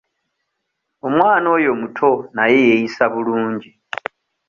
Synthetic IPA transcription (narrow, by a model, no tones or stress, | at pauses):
omwaːno̞ːjo̞mutʰo̞najejejisaβuluːɲɟi